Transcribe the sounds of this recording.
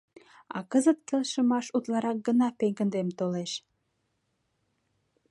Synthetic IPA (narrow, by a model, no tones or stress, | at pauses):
ɑ̰kəzət̪̚kelʃəmɑʃut̪lɑɾɑk̚ɡənɑpeŋɡənd̪emt̪oleʃ